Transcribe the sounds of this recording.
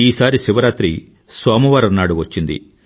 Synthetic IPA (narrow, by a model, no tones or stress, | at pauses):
iːsaːɾiʃiʋɐɾaːt̪ɾi | saːmɐʋaːɾɐnːaːɽuʋɐt͡ʃːind̪ḭ